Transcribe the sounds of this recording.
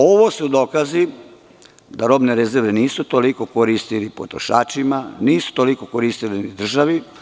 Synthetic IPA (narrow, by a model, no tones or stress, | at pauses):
oʋosud̪o̞ːkazi | d̪aɾo̞bneɾezeɾʋeniːsut̪o̞liko̞koɾist̪ilipo̰t̪ɾo̰ʃa̰ːt͡ʃimaniːsu̥t̪o̞liko̞koɾist̪ilinid̪r̩ʒaʋi